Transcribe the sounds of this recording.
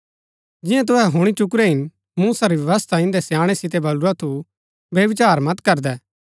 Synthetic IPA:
d͡ʒɪ̃jãt̪̬ʊɦɛɦʊɽ̃it͡ʃʊk̬ɾɛɦɪn | muːsaɾiʋjɐʋɐst̪ʰaɪ̃nd̪ɛsjãːɽ̃ɛsɪt̪ɛbɐluɾat̪ʰu | bjɐʋɪt͡ʃaːɾmɐt̪kɐɾd̪ɛː

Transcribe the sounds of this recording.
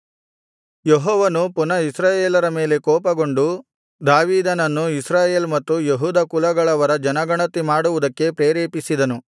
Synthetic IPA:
jeɦɔːʋɐnupunɐisɾaːjeːlɐɾɐme̞ːle̞kɔːpɐɡo̞ɳɖu | d̪aːʋiːd̪ɐnɐnːuisɾaːje̞ːlmɐt̪ːujeɦuːd̪ɐkulɐɡɐɭɐʋɐɾɐd͡ʒɐnɐɡɐɳɐt̪imaːɽuʋud̪ɐkːe̞pɾeːɾeːpisid̪ɐnu

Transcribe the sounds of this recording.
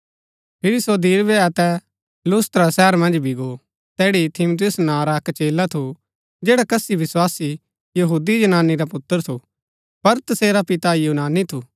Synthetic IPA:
pʰɪɾisod̪iːɾbɛɐt̪ɛ | lʊːst̪ɾasɛːəɾmɐ̃nd͡ʒbʱiɡo | t̪ɛːɽit̪ʰɪmʊt̪̬ɪjʊsnãɾaɐkt͡ʃeːlat̪ʰu | d͡ʒeːɽakɐsiʋɪswaːsi | jɐɦuːd̪id͡ʒɐnaːnːiɾapʊt̪ːəɾt̪ʰu | pɐɾt̪ɐseːɾapɪt̪ajuːnaːnit̪ʰuː

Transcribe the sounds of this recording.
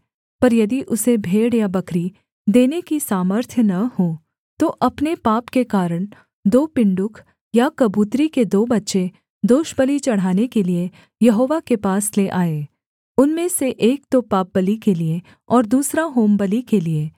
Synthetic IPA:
pɐɾjɐd̪iʔʊsebʱeːɽjabɐkɾi | d̪eːnekisaːməɾt̪ʰjənɐho | t̪oʔɐpnepaːpkekaːɾəɽ̃ | d̪oːpɪ̃ɳɖʊkʰ | jakɐbuːt̪ɾiked̪oːbɐtːʃe | d̪oːʃbəlit͡ʃɐɽ̤ɦaːnekelie | jɐɦoːʋakepaːsleʔaːeː | ʊnmẽseʔeːk̚t̪opaːp̚bɐlikelie | ɔːɾd̪uːsɾaɦoːmbɐlikelieː

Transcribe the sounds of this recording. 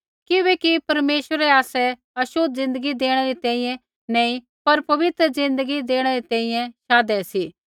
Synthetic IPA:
kɪʋɛkipɐɾmeːʃʋəɾɛaːsɛ | ɐʃʊd̪̚zɪ̃nd̪əɡid̪eːɽ̃ɛɾit̪ɛ̃ːĩjɛ̃ | nɛ̃ːĩ | pɐɾpɐʋɪt̪ɾəzɪ̃nd̪əɡid̪eːɽ̃ɛɾit̪ɛ̃ːĩːjɛ̃ʃaːd̪ɛsiː

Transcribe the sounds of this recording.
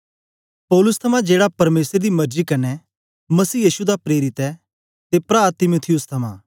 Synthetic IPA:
pɔːlʊst̪ʰɐmãd͡ʒeːɽapɐɾmeːsɾɛd̪imɐɾd͡ʒikɐnɛ | mɐsiːjiːsud̪apɾeːɾɪt̪ɛ | t̪epɾaːt̪ɪmot̪ʰɪjʊst̪ʰɐmã̰ː

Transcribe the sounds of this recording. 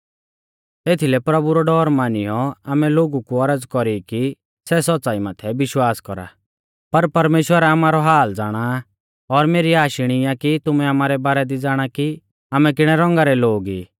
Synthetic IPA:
t̪eːt̪ʰilɛpɾɐbuɾɔɖɔːɾmaːnɪjɔaːmɛloːɡukuɐɾəd͡zkɔɾiki | sɛsɔt͡saːimaːt̪ʰɛbɪʃwaːskɔ̰ɾa̰ | pɐɾpɐɾmeːʃwəɾaamaːɾɔɦaːld͡zaːɽ̃a | ɔɾmeːɾiaːʃɪɽ̃ɪjakit̪ʊmɛamaːɾɛbaːɾɛd̪id͡zaːɽ̃aki | aːmɛk̬ɪɽ̃ɛɾɔ̃ŋɡaɾɛloːɡḭː

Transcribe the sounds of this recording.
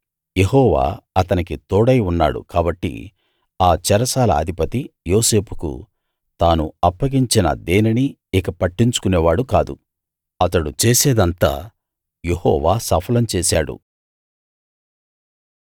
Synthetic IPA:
je̞ɦɔːʋa̰ːɐt̪ɐnikit̪oːɽɐjunːa̰ːɽṵkaːbɐʈːḭ | aːt͡ʃɛɾɐsaːlɐ̰ːd̪ʱipɐt̪ijoːse̞ːpʰu̥kṵ | t̪aːnṵɐpːɐɡiɲt͡ʃinɐ̰d̪eːniniː | kɐpɐʈːiɲt͡ʃu̥kunɛːʋaːɽukaːd̪ṵ | ɐt̪ɐɽut͡ʃeːseːd̪ɐnt̪a̰ː | je̞hɔ̰ːʋaːsɐpʰɐlɐmt͡ʃɛːsaːɽṵ

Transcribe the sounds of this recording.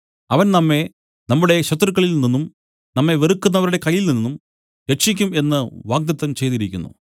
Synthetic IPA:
ɐʋɐnnɐmːe̞ | nɐmːuɽe̞ɕɐt̪ːrɨkːɐɭilninːum | nɐmːe̞ʋerukːunːɐʋɐɾuɽe̞kɐjːilninːum | ɾekʂikʲːume̞nːɨʋaːɡ̚d̪ɐt̪ːɐmt͡ɕe̞jt̪iɾikʲːunːṵ

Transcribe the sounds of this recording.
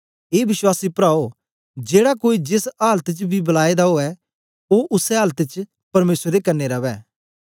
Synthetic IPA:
eːbɪswaːsipɾaːo | d͡ʒeːɽakoːid͡ʒɪsaːlət̪t͡ʃbʱibɐlaːed̪aɦoːɛ | oʔʊsɛɦaːlt̪t͡ʃ | pɐɾmeːsɾːekɐɾnːeɾɐʋɛː

